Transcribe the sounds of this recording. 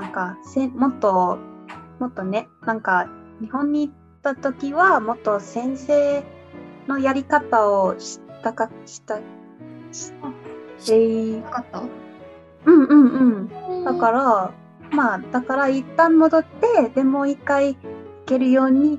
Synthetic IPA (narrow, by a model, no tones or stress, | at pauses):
nãŋkasẽmo̞t̪ːo̞ | mo̞t̪ːo̞ne̞nãŋkaɲ̟ihõ̞ɲ̟ːiːt̪ːat̪o̞kʲiβamo̞t̪ːo̞sẽ̞ɰ̃se̞ː | no̞jaɾʲikat̪aoɕi̥t̪akaɕi̥t̪a | ɕi̥t̪ae | ɯ̟̃ɴɯ̟̃ɴɯ̟̃ɴdd̪akaɾa | mad̪̥akaɾait̪ːãmmo̞d̪o̞t̪ːe̞d̪e̞mo̞ːikːaiike̞ɾɯ̟jo̞ːɲ̟i